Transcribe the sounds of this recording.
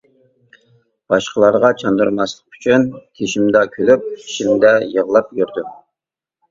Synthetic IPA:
b̥ɑʃqʰəlˠɑɾʁɑt͡ʃʰɑnd̪uɾmɑslˠə̥qy̥t͡ʃʰynkʲʰeʃimd̪ɑkʲʰølyp̚i̥ʃimd̪ɛjəʁlˠɑp̚jøɾd̪u

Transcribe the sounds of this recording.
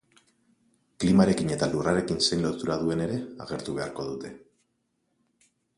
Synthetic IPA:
klimaɾe̞kine̞t̪aluraɾe̞kinse̞jnlo̞t̪uɾað̞ue̞ne̞ɾe̞a̰ɣ̞e̞ɾt̪uβe̞aɾko̞ðut̪e̞

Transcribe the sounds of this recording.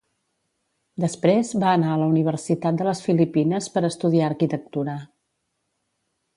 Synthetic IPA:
d̪əspɾezβaənaələuniβ̞ərsit̪at̪̚d̪ələsfilipinəspəɾəst̪uðiaəɾkit̪ək̚t̪uɾə

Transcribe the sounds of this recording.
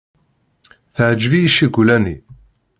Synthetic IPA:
θəʕd͡ʒvijiʃiɡʷlænḭ

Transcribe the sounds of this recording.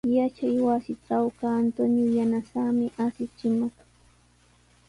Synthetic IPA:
jat͡ʃajwasɪʈ͡ʂawkaːnt̪oɲʊjanasamɪʔasɪt͡ʃɪmɑχ

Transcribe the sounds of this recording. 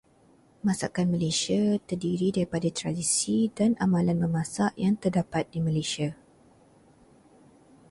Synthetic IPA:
mãsakanməlesiat̪ərdiɾidaɾipadat̪ɾadisidanʔamãlanbəmãsaʔjaŋt̪ərdapat̪̚diməlesia

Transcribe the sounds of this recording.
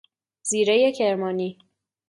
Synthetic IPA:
z̥iːɾejecʰeɾmɒːniː

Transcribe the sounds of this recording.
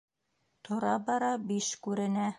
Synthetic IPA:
t̪ŏɾɑbɑɾɑbiʃkʉɾɘ̆næ

